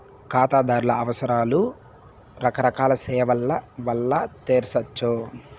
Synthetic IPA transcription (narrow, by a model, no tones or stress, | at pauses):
kaːt̪aːd̪aːɾulɐɐʋɐsɐɾaːlu | ɾɐkɐɾɐkaːlɐsɛːʋɐlːɐʋɐlːɐt̪eːɾsɐt͡ʃːo